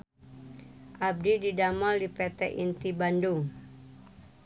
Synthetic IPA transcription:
ʔab̚dididamɔldipɛt̪ɛ̰ʔint̪ibanduŋ

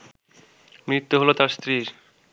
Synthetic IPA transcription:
mɾit̪ːuɦolot̪aɾst̪ɾiɾ

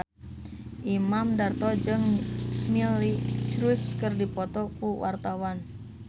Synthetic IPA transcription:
ʔimamdart̪ɔd͡ʒɨŋmilit͡ʃɾuskərdipɔt̪ɔkuwa̰rt̪awan

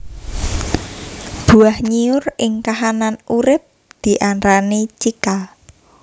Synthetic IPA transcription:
b̥ṳahɲiʊrɪŋkaɦananuɾɪp̚ | d̪̥i̤ʔanɾanit͡ʃika

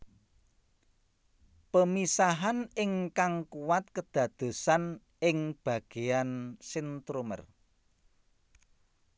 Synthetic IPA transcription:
pəmisaɦanɪŋkaŋkuwat̪̚kəd̪̥ä̤d̪̥o̤san | ɪŋb̥ä̤ɡ̥e̤ansint̪ɾumə̰r

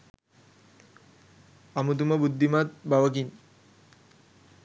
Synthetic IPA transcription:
amut̪̬umabud̪ʱːimat̪̚baʋɐk̬in

